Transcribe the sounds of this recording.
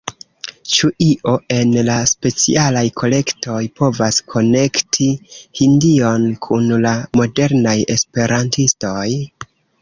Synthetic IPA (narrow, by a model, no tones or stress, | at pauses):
t͡ʃuʔiʔo̞ʔe̞nlaspe̞t͡sḭalajkʰo̞le̞kto̞jpo̞vaskʰo̞ne̞ktʰihindio̞nkʰunlamo̞de̞ɾnaje̞spe̞ɾʔantisto̞j